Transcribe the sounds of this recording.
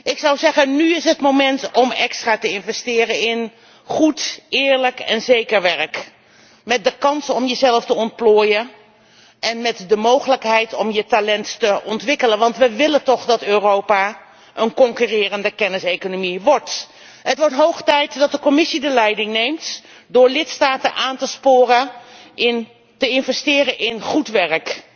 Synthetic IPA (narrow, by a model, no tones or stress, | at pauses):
ɪksɑwzɛχənnyɪsɦətmowmɛntɔmɛkstraːtəɪnvɛstɪːrənɪn | χutɪːɹləkɛ̰nzejkəɹʋɛrk | mɛt̚dəkɑnsɔmjəzɛlftəɔntploːjə | ʔɛnmɛtdəmowχələkɦɛjtɔmjətalɛnttəʔɔntʋɪkələnʋɑntʋəʋɪlətɔχdɑtøːrowpa | ʔənkɔŋkyrɪːrəndəkɛnɪsejkonomiʋɔɹt | ɦətʋɔɹtɦowχtɛjtdɑt̚dəkɔmɪsidəlɛjdɪŋnejmt | dʊːɹlɪtstaːtənʔaːntəspʊːrəʔɪn | təɪnvɛstɪːrəʔɪnχutʋɛrk